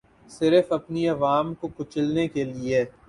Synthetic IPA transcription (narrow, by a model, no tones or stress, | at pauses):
sɪɾfɐpniɐʋaːmkokʊt͡ʃɪlnekelie